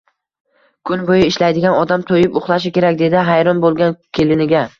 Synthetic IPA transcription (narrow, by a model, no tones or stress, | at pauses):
kʰʊnbojɪɪʃlajd̪ɪɡʲanɒd̪amt̪ʰojɪpʊχlˠaʃ̬ɪkʲe̞ɾak̚ʲd̪e̞d̪ɪɦajɾɒnbolˠɡʲankʲʰelɪnɪɡʲa